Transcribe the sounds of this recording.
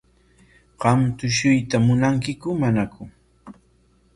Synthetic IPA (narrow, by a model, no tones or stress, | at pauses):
ɢɑmt̪ʊʃʊjt̪amʊnaŋkɪkʊmanakʊ